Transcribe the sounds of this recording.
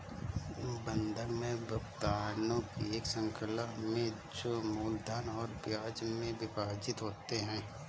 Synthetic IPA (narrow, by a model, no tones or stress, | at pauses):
bə̃nd̪ʱəɾmẽbəɡt̪aːnõkieːksə̃ŋkʰəlamẽ | d͡ʒoːmuːld̪aːnɔːɾpjaːd͡ʒmẽbɪbaːd͡ʒɪt̪ɦoːt̪eɦɛ̃ː